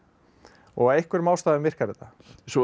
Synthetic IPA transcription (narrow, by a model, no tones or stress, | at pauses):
ɔ̰ɣaejhkʏɾmawst̪aːðʏmvɪr̥kaɾɪt̪a | sɔ